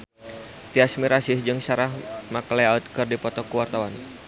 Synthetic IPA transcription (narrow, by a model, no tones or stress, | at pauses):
t̪iasmiɾasɪhd͡ʒɨŋsaɾahmaklɛat̪̚kɨrdipɔt̪ɔkuwart̪awan